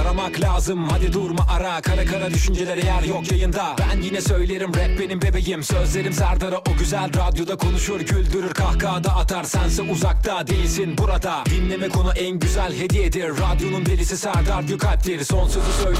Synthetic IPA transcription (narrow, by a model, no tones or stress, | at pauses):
ɾamaklʲaːzɯmːad̪id̪uɾmaʔaɾakʰaɾakʰaɾad̪yʃynd͡ʒelʲeɾɛjæɾjokjajɯnd̪abænjinɛsø̞jlʲeɾimɾɛp̚be̞nimbe̞be̞jimsø̞zlʲe̞ɾimsæɾd̪aɾaʔoɟyzælʲɾad̪jo̞d̪akʰo̞nuʃujoɾɟylʲd̪yɾyɾkʰahkʰaːd̪aʔat̪ʰaɾsænsɛʔuzak̚t̪ʰad̪ejilʲsinbuɾad̪ad̪inlʲe̞mɛkʰo̞nuʔænɟyzælʲhe̞d̪ied̪iɾːad̪jo̞nunbelʲisisæɾd̪aɾd̪jokʰalʲplʲeɾiso̞nsɯzusøj